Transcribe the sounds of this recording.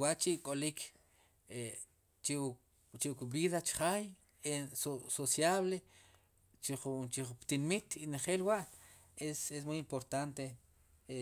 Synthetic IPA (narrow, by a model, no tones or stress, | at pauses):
waʔt͡ʃikʼolik | e | t͡ʃi | t͡ʃikbiðat͡ʃχaj | esososjaβle | t͡ʃiχut͡ʃiupt̪inmit̪ineχeːlwaʔ | eses̬mujimpoɾt̪ant̪e | e